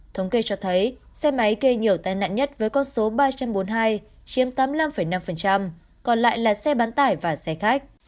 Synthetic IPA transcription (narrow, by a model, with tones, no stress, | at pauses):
t̪ʰə˨˦wŋ͡mke˧t͡ɕɔ˧t̪ʰə˨˦j | sɛ˧ma˨˦jke˧ɲi˨˩əwt̪aː˧jna̰ː˧˨nɲə˦˥t̚vəː˨˦jkɔ˧nso˨˦ɓaː˧t͡ɕa˧mɓo˨˦nɦaː˧j | t͡ɕi˨˦əmt̪aː˨˦mla˧mfə˧˩jna˧mfə˨˩nt͡ɕa˧m | kɔ˨˩nla̰ː˧˨jlaː˨˩sɛ˧ɓaː˨˦nt̪aː˧˩jvaː˨˩sɛ˧xaː˦˥k̚